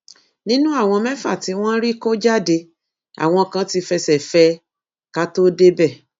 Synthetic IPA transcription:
nĩ˦nũ˦a˦˨w̃ɔ̃˧mɛ̃˦fa̰˦˨ti˨˧˦w̃ɔ̃˦ɾi˦ko˦d͡ʒa˦de˧ | a̰˨w̃ɔ̃˧˨kã˧˦ti˧˦fɛ˧sɛ˨fɛ˧˦ | ka˦to˦de˦bɛ˦˨

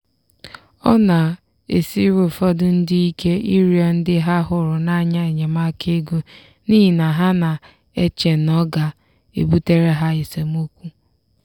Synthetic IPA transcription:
ɔ̰˦na˨ | e˨si˦ɾo˨fɔ˦dʊ˦n̩˦dɪ˦i˦kʰe˦ʔi˦ɾi˨a˨n̩˦dɪ˦ɦa˦ɦʊ˨ɾʊ˨na˦ɲa˦e˨ɲe˨ma˦kʰe˦ɡo˦ | ni˦ɦi˨na˨ɦa˦na˨ | e˦t͡ʃe˨n̩ɔ˦ɡa˨ | ḛ˨bu˦te˦ɾe˦ɦa˦e˨se˨mu˦kʷu˦

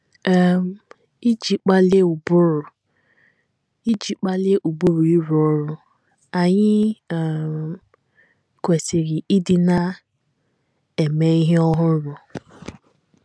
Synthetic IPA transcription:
m˨ | i˦d͡ʒi˨k͡pa˦le˦u˨bʊ˦ɾʊ˨ | i˦d͡ʒi˨k͡pa˦le˦ʔu˨bu˦ɾu˨i˦ɾu˨ɔ˦ɾʊ˦ | a˨ɲɪ˦˨ | m | kʷe˨sɪ˨ɣɪ˨ʔɪ˦dɪ˦na˦ | e˨me˦i˦ɦe˦ɔ˦ɦʊ˦ɾʊ˨

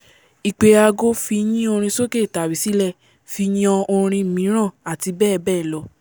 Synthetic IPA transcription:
i˨k͡pe˧a˧ɡo˦fi˧j̃ĩ˦o˧ɾ̃ĩ˧so˦ke˦˨ta˨bi˨si˨˦lɛ˦˨ | fi˧ɲɔ̃˧o˧ɾ̃ĩ˧˨mĩ˨˦ɾ̃ã˦˨a˨ti˧bɛː˦˨bɛː˦˨lɔ˧˦

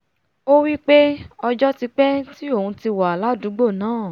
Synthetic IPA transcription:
o˦wi˦k͡pe˦ɔ˧d͡ʒɔ˦ti˧k͡pɛ˦ti˦o˦˨ũ˧ti˧wa˨a˨la˦du˨˦ɡ͡bo˦˨nãː˨˦˨

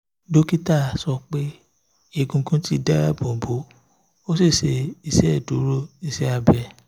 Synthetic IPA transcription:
do˦ki˦ta˦˨sɔ˧k͡pe˦ | e˧˨ɡũ˧kũ˦ti˦dɛ˦ɾa˦˨bõ˨bo˨˦ | o˦si˦˨se˧i˧˨sɛ˦˨du˨˦ɾo˦˨i˨sɛ˦a˧bɛ˧˨

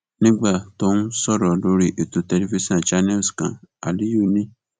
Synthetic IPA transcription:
nĩ˦ɡ͡ba˦˨to˦nũ˦sɔ˦˨ɾɔ˨lo˦ɾi˦ʔe˨to˨˧tɛ˧li˦fi˦sã˦˨d͡ʒa˦nɛ˦˨skã̰˨a̰˨li˦ju˦˨nĩ˦

